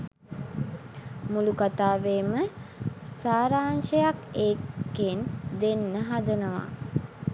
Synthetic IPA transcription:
mulukat̪aːʋeːmə | saːɾaːnʃəjakeːkːend̪enːəɦad̪ənəʋa̰

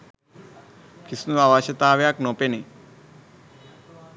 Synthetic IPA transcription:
kʰisnuʋaʋaʃet̪aːʋjaknopeni

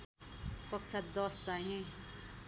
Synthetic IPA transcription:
kʌk̚t͡sʰad̪ʌst͡saɦĩ

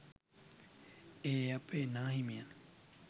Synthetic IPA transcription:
eːɐpenaːɦimian

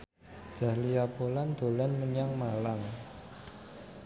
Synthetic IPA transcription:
ʒ̥a̤hlijapoland̪̥o̤lanməɲaŋmalaŋ

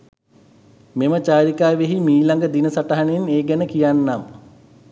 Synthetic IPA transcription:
memət͡ʃaːɾikaːʋeɦimiːlaŋɡəd̪inəsaʈaɦaneneːɡænəkijanːam

